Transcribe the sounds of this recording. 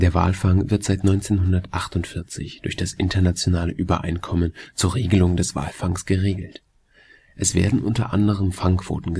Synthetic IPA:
d̥eːɐva̰ːlfaŋvɪɐtz̥aɪtnɔʏnt͡seːnɦʊndɐtʔaχtʊntfɪɐt͡sɪ̰çd̥ʊɐçd̥asʔɪntɐnat͡sjonaːləʔyːbɐ̰ʔa̰ɪnkʰɔmənt͡suːɐʁeːɡəlʊŋdɛsv̥a̰ːlfaŋsɡ̥əʁeːɡl̩t | ʔɛsv̥ḛːɐdn̩ʔʊntɐ̰ʔa̰ndəʁ̞əmfaŋkv̥o̰ːtn̩ɡə

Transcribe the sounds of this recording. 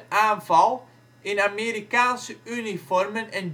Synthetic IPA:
ʔaːnvɑlˠ | ʔɪnameːɾikaːnsəynifɔrmənɛn

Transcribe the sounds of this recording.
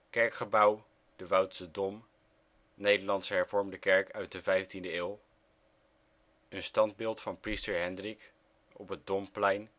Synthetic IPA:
kɛɹkχəbɑw | d̥əʋʌwtsədɔm | nejdəɹlɑntsəɦɛɹv̥ɔɹmdəkɛɹkœɥt̚dəvɛjftindəeːlˠ | ənstɑnd̚bɪːlˠtfɑnpristəɹɦɛndrik | ɔpət̚dɔmplɛjn

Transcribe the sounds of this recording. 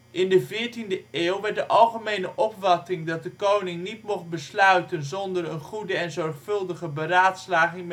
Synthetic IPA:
ʔɪndəvɪːɹtindəʔeːwʋɛɹt̚dəʔɑlˠχəmejnəʔɔpfɑtɪŋdɑt̚dəkownɪŋnitmɔχ̚bəslœɥtənzɔndərənχudəɛnzɔɹχfɵlˠdəχəbəraːtslaːχɪŋ

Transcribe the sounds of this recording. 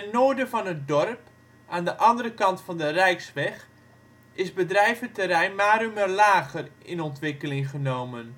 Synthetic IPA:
ənːoːɹdəvɔnət̚dɔrp | ʔaːndəʔɑndəɾəkɑntfɔndərɛjksʋɛx | ɪsbədrɛjvətəɾɛjnmaːɾymərlaːɣərɪnɔntʋɪkəlɪŋχənowmən

